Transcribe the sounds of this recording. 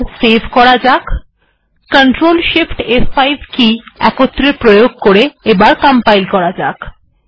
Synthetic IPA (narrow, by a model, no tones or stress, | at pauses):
sebʱkɔɾad͡ʑak | kəɳʈɾolʃifʈefajbʱkiɛkot̪ːɾepɾojoɡ̚koɾeebaɾkəmpajlkɔɾad͡ʑak